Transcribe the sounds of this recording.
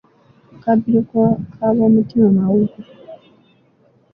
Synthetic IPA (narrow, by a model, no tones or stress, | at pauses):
kabiɾekkʰaβoːmutimamawuku